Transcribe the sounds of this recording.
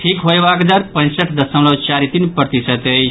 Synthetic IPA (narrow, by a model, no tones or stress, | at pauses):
ʈʰikɦojʋaɡd̪aɾpə̃nsəʈʰd̪əsə̃mləwt͡ʃaɾit̪inpɾət̪isət̪ej